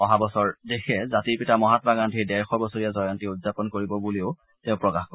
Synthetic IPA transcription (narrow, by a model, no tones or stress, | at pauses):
ɔɦabɔsɔɹdexʰɛzatiɹpitamɔɦatbaɡantʰidɛɹxɔɹbɔsoɹijazɔjantiudzapɔnkoɹibɔbuliʊ | tɛ̃ʊ̃pɹɔkaxkɔ